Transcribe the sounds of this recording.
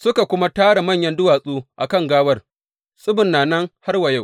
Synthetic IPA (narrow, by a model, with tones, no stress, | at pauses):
sʊ˦ka˨kʷʊ˦ma˦taː˦ɽa˨mɐ˦˨ɲjɐ˦ndʊ˦waː˨sʼuː˦ʔa˨kɐ˦˨ŋɡaː˦wɐ˦r | sʼʊ˦bʊ˨nːaː˨nɐ˦ŋha˦rwɐ˨ja˦˨w